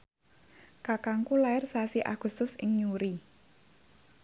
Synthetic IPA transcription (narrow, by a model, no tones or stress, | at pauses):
kakaŋkulaɪrsasiʔa̰ɡ̥ṳst̪ʊsɪŋɲuɾi